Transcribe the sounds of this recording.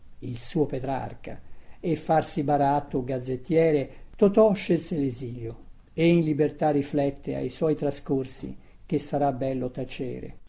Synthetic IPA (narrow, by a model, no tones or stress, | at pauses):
ilsuːopet̪ɾa̰rka̰efːarsibaɾat̪ːʊɡad̪zːet̪ːjɛːɾet̪ot̪ɔʃːelseleziːljo | einlibert̪arːiflɛt̪ːea̰jswɔjt̪ɾaskorsḭ | k̟esːaɾabːɛlːot̪at͡ʃḛːɾḛ